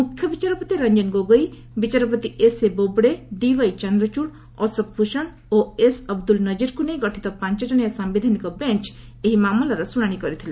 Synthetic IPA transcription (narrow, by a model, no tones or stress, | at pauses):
mukʰjɔbit͡ʃaɾɔpɔt̪iɾʌɲd͡ʒɔnɡoɡɔj | bit͡ʃaɾɔpɔt̪iʔesebobɽed̪iʋəjt͡ʃɔnd̪ɾɔt͡ʃuɽ | ɔsɔk̚pʰuʃɔɳ | oesɔb̚d̪ulnʌd͡ʒiɾkunejɡɔʈʰit̪ɔpãɲt͡ʃɔd͡ʒɔɽ̃jasambid̪ʱanikɔbent͡ʃ | eɦimamɔlɔɾɔsuɽ̃aɽ̃ikɔɾit̪ʰilẽ